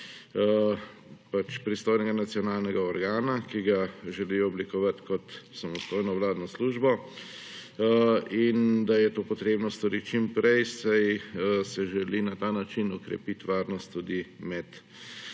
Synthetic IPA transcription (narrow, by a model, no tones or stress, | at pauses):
pat͡ʃpɾist̪oːjnɛɡanat̪sijɔnaːlnɛɡaɔɾɡaːnakiɡaʒɛliɔɔblikɔʋat̪kɔt̪samɔst̪oːjnɔʋlaːd̪nɔsluːʒbɔ | ind̪ajɛt̪oːpɔt̪ɾeːbnɔst̪ɔɾitt͡ʃimpɾɛjsajəsɛʒɛlinat̪aːnat͡ʃinɔkɾɛ̰pit̪ʋaːɾnɔst̪ːud̪imɛt̪